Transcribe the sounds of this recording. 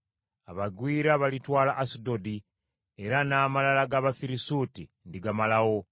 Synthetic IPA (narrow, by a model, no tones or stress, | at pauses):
aβaɡwiːɾaβalitwaːlaʔːsidodi | e̞ɾanaːmalalaɡaβafiɾisuti | ndiɡamalawo̞